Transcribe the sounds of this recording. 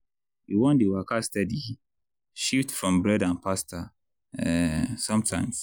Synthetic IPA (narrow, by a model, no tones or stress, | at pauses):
jiwɔ̃ndewakastɛdi | ʃiftfɹɔ̃mbɹɛdãnpʰasta | ɛsʌ̃mtʰãɪ̃ms